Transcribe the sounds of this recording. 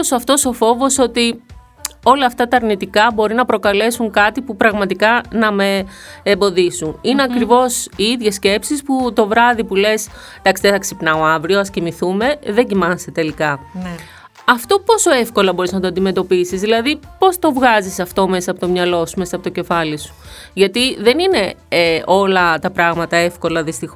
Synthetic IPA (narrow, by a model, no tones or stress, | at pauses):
osoɐft̪o̞so̞fo̞vo̞so̞t̪i | o̞lɐːft̪ɐt̪ɐːɾnit̪ikɐbo̞ɾinɐpɾo̞kɐle̞suŋkɐt̪ipupɾɐɣmɐt̪ikɐnɐme̞ː | mbo̞ðisunineɐkɾivo̞siiðʝe̞sce̞psisput̪o̞vɾɐðipule̞s | d̪ɐksiðeθɐksipnɐoɐvɾioɐscimiθume̞ðe̞ɟimɐnset̪e̞likɐ | ɐft̪o̞po̞so̞e̞fko̞lɐbo̞ɾiznɐt̪oɐnd̪ime̞t̪o̞pisizðilɐðipo̞st̪o̞vɣɐzisɐft̪o̞me̞sɐpot̪o̞mɲɐlo̞sume̞sɐpot̪o̞ce̞fɐlisu̥ | ʝɐt̪iðe̞nine̞o̞lɐt̪ɐpɾɐɣmɐt̪ɐefko̞lɐðist̪ix